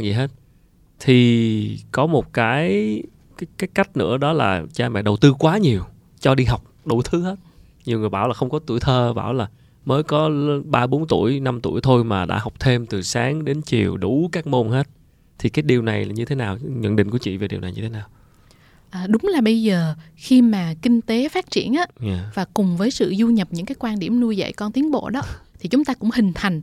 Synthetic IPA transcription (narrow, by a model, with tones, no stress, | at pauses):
zḭ˨˩ɦe˦˥t̚ | t̪ʰi˨˩kɔ˨˦mo˨˩t̚kaː˨˦j | kaː˨˦kaː˨˦jka˦˥jk̟̚nɨ̰˧˥əɗɔ˨˦la̰ː˨˩t͡ɕaː˧mɛ̰˧˨ɗə˨˩wt̪ɨ˧kwaː˨˦ɲi˨˩əw | t͡ɕɔ˧ɗi˧ɦa˨˩wk͡p̚ɗu˧˩t̪ʰɨ˨˦he˦˥t̚ | ɲi˨˩əwŋɨ˨˩əjɓaː˧˩wlaː˨˩xə˧wŋ͡mkɔ˨˦t̪ṵ˧əjt̪ʰəː˧ɓa̰ː˧˩wlaː˨˩ | məː˨˦jkɔ˨˦ɓaː˧ɓo˨˦nt̪ṵ˧˩˨əjna˧mt̪ṵ˧˩əjt̪ʰo˧jmaː˨˩ɗa̰ː˧˥hwk͡p̚t̪ʰe˧mt̪ɨ˨˩saː˨˦ŋɗe˨˦nt͡ɕi˨˩əwɗu˧˩kaː˦˥k̚mo˧nhe˦˥t̚ | t̪ʰi˨˩kaː˨˦jɗi˨˩əwna˨˩jaː˨˩ɲɨ˧t̪ʰe˨˦naː˨˩wɲə̰˧˨nɗḭ̈˧˨ŋku˧˩ət͡ɕḭ˧˨ve˨˩ɗi˨˩əwna˨˩jɲɨ̰˧t̪ʰe˨˦naː˨˩w | ʔəː˨˩ɗʊ˨˦ŋ͡mlaː˨˩ɓə˧jzəː˨˩ | xi˧maː˨˩kï˧ŋ̟t̪e˨˦faː˦˥t̚t͡ɕḭ˧˩ənʔaː˨˦ɲa˨˩vaː˨˩kʊ˨˩ŋ͡mvəː˨˦jsɨ̰˧˨zu˧ɲə˨˩p̚ɲɨ̰˧˥ŋkaː˨˦jkwaː˧nɗḭ˧˩əmnu˧əjzə̰˧˨jkɔ˧nt̪i˨˦ənɓo̰˧˨ɗɔ˨˦t̪ʰi˨˩t͡ɕʊ˨˦ŋ͡mt̪aː˧kʊ̰˧˥ŋ͡mhï˨˩ŋ̟t̪ʰa˨˩jŋ̟